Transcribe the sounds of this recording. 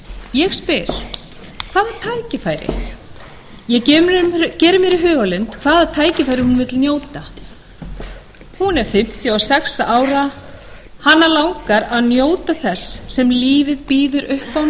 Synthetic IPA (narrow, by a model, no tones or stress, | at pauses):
jɛɣspɪɾ̥ | kʰv̥aːðat̪ʰaːjcɪfajɾɪ̰ | jɛcɛcɛːɾʏmjɛɾɪɦœːɣalʏnt̪kʰv̥aːðat̪ʰaːjcɪfaːjɾɪhunvɪt̪lnjoːwt̪a | hunɛɾ̥fɪm̥t̪jʏɔsɛksaaːwɾa | hanːalawŋkaɾaðnjoːwt̪aθɛsːɛmliːvɪðpiːðʏɾʔʏhpaw̪